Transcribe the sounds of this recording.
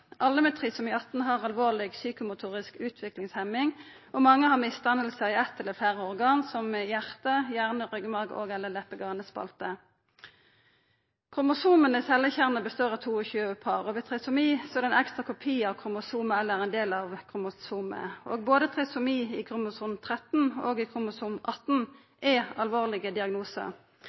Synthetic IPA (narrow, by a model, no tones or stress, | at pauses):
ʔɑlːəmɛt̪ʰʁɪsʊmiːɑt̪ːn̩ɦɑʁɑlʋoːʁlɪɡsyːkʊmʊt̪ʰuːʁɪskʉːt̪ʰʋɪklɪŋshɛmɪŋ | ɔmɑŋːəhɑʁmɪst̪ɑnəlsəɪɛt̪ːɛlːəflæːʁəɔʁɡɑːnsɔmmɛjæʁt̪əjæʁnəʁœɡmɑʁɡo̰ːɡɛlːəlɛpːəɡɑːnəspɑ̰lt̪ə | kʰʁʊmʊsuːmənəsɛlːəçæʁnəbəst̪oːʁɑt̪ʰuːɔçʉːəpʰɑːʁɔʋɛt̪ʰʁɛsʊmiːsɔɛd̪ɛnɛkst̪ʁɑkʰʊpʰiːəɑʋkʰʁʊmʊsuːməɛlːəæʁɛnd̪eːlɑʋkʰʁʊmʊsuːmə̰ʔo̰ːɡ̚boːd̪ət̪ʰʁɛsʊmiːɪkʰʁʊmʊsuːnt̪ʰʁɛt̪n̩oːɡɪkʰʁʊmʊsuːmʔɑt̪n̩ | ʔɛɑlʋoːʁlɪɡəd̪ɪɑɡnuːsə̰